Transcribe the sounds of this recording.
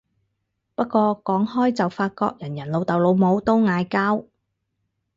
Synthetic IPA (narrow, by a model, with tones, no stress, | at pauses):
pɐ˥t̚kːʷɔː˧kɔː˨˥ŋhɔː˥jt͡sɐ˨wfaː˧t̚kɔ̰ː˧k̚jɐ˨˩njɐ˨˩nlo˨˧wt̪ɐ˨wlo˨˧wmo˨˥wt̪o˥wŋaː˨˧jkaː˥w